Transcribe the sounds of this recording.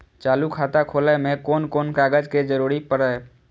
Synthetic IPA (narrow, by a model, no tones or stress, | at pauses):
t͡ʃaːlukʰat̪akʰoːləmẽkoːnkoːnkaːɡəd͡ʒked͡ʒəɾuɾipəɽə